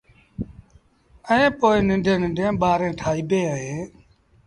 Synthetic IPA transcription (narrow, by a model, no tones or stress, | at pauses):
əẽːpoːɪnɪ̃ɳɖʱẽːnɪ̃ɳɖʱẽːɓaːɾẽːʈʰaːiːbeːɦəɦeː